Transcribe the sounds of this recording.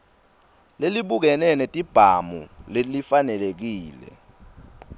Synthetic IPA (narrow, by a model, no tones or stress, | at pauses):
leliɓuk̬ɛnɛnetʼib̥ʱamulelifanɛlek̬iːlɛ̰